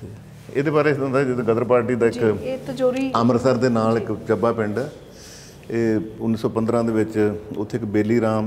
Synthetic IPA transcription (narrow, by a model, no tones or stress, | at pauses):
eːd̪eːbaːɾeːõnd̪aːd͡ʒɪd̪ɡəd̪əɾpaːɾʈiːd̪aːɪkːt̪əd͡ʒoːɾiəməɾsəɾd̪eːnaːlɪkt͡ʃəbaːpɪɳɖ | eːʊnːiːsɔːpə̃nd̪ɾãːd̪eːʋɪt͡ʃʊt̪ʰːeːɪkbeːliːɾaːm